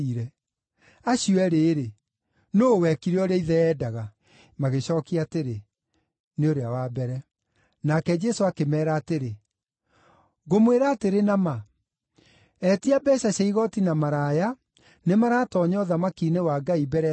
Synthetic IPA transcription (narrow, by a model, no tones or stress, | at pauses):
iɾɛ | aɕiɛɾeːɾe | nowɛkiɾeɔɾeiðɛːdaɣa | maɣeɕɔːkiateɾe | neoɾeawabɛɾɛ | nakɛd͡ʒɛsoakemɛːɾaːteɾe | ɣomweɾaːteɾenama | ɛtiabɛɕaɕaiɣɔtinamaɾaːja | nemaɾaːtɔɲɔðamakiːnewaːɡaibɛɾɛ